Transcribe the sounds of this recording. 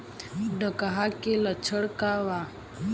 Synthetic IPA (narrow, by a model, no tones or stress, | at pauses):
ɖəkaɦakelət͡ʃʰəɽkaːʋa